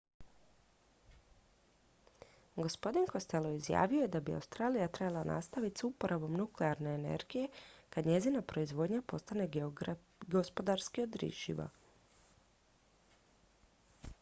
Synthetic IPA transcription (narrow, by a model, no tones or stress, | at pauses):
ɡo̞spo̞d̪inko̞st̪e̞lo̞izja̰ːʋijo̞jed̪abia̰wst̪ɾaːlijat̪ɾebalˠanʔa̰ːst̪aʋit̪supo̞ɾʔabo̞mnukleaɾne̞ːnḛɾɡije̞kad̪ɲe̞zinapɾo̞izʋo̞ːd̪ɲapo̞st̪ane̞ | ɡo̞spo̞d̪aɾskio̞d̪ɾḭʃḭʋa̰